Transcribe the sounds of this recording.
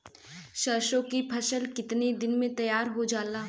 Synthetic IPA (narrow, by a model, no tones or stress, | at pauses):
ʃɐɾʃõkipʰɐʃəlkɪt̪ned̪ɪnmẽt̪ɐjaːɾɦod͡ʒaːlaː